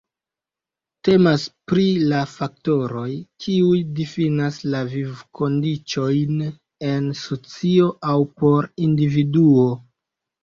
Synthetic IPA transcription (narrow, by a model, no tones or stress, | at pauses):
te̞maspɾilafak̚to̞ɾo̞jkʰiujdifinaslavivkʰo̞ndit͡ʃo̞jn | e̞nsot͡sio̞ʔawpo̞ɾindividuo̞